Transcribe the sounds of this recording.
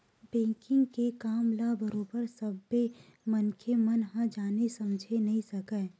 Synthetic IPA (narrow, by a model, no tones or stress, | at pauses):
bɛ̃ːkɪ̃ŋɡkekaːmlabəɾõːbəɾsɐbːemɐnkʰemɐnɦãd͡ʒaːnesɐmd͡ʒʱenɐɦĩsɐkəː